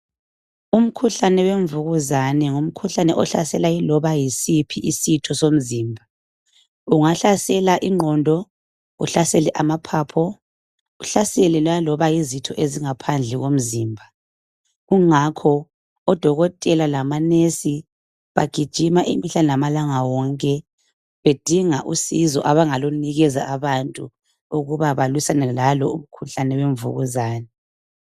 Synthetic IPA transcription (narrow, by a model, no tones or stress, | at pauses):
um̩kʰuɬanɛweɱvuɣuzanɛŋum̩kʰuɬanɛʔɔɬasɛlailɔβajisipʰiʔisitʰɔsom̩ziːmbʱa | uŋaɬasɛlaʔiŋ͡ǃʱɔndʱɔ | ṵɬasɛlɛʔamapʰaːpʰɔ | uɬaselɛlɔjalɔβajizitʰɔʔeziŋapʰand͡ɮʱɛɣom̩ziːmbʱa | ɣuŋakʰɔ | ɔd̥ʱɔɣɔtʼɛlalamanesi | βa̰ɡ̥ʱid̥ʒ̥ʱimaʔḭmiɬanɛlamalaŋawɔŋkʼɛ | βed̥ʱiŋaʔusizɔ̰ʔaβaŋaloniɣɛzaʔaβantʼu | uɣuβaβalwisanɛlalɔuβukʰuɬanɛβeɱvṵɣuzaːnɛ